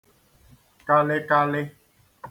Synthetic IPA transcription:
ka˦le˦ka˦le˦

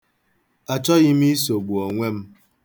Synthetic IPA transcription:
a˨t͡ʃɔ˦ɣi˦mi˦s̬o˨ɡ͡bu˨ɔ˨ŋʷe˦m̩˦

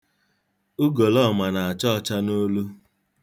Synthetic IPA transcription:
ʊ˦ɡo˨lɔ˦˨ma˨na˨a˨t͡ʃɔ˦˨t͡ʃa˦no˦lu˦

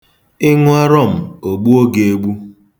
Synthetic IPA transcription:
ɪ˦ŋʊ˦a˦ɾɔ˦˨m̩˨o˨ɡ͡bu˦o˦ɡe˨e˦˨ɡ͡bu˦

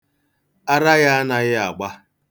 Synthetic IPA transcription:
a˦ɾa˦ɣa˦a˦na˨ɣɪ˦a˨ɡ͡ba˦

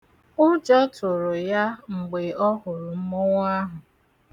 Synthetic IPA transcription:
ʊ˦d͡ʒɔ˦tʊ˨ɾʊ˨ja˦ŋ͡m̩˨ɡ͡be˨ɔ˦hʊ˨ɾʊ˨m̩˦mʊ˦ŋʷa˦ɦʊ˨

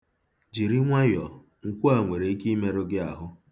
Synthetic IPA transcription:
d͡ʒi˨ɾi˦ŋʷa˦jɔ˨ | ŋ̩˨kʷu˦a˨ŋʷe˨ɾe˨i˦ki˦me˦ɾʊ˦ɡɪ˦a˨ɦʊ˦

